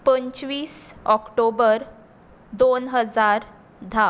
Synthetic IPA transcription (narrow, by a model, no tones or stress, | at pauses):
pəɲt͡ɕʋiːsɔkʈobəɾ | d̪onɦəd͡zaɾ | d̪ʱa